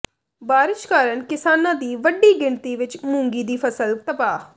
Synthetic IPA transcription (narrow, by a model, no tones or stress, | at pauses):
baːɾɪʃkaːɾəɳkɪsaːnãːd̪iːʋəɖiːɡɪɳt̪iːʋɪt͡ʃmʊ̃ŋɡiːd̪iːpʰəsəlt̪əpaː